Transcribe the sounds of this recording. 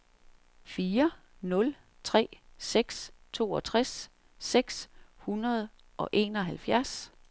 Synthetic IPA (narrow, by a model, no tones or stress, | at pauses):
fiːɐ | nɔ̽l | t͡sʰʁɛ̰ːseɡ̥st͡sʰo̝̰ːɒ̽t͡sʰʁɛs | seɡ̥shunɐð̞̩ˠ | ʔɒ̽ʔe̝̰ːnɒ̽ɦælfjæɐs